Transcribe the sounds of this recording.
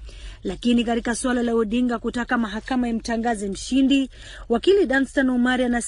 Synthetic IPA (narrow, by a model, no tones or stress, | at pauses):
lakinikatikaswalalauɗiŋɡakutakamaɦakamaim̩taŋɡazɛm̩ʃindi | wakiliɗanstanumaɾianas